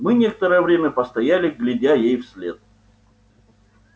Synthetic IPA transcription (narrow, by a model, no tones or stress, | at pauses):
mɨnʲe̞kə̥t̪əɾəjəvɾʲemʲəpəst̪ɐjælʲɪɡlʲɪdʲajejfsʲlʲet̪̚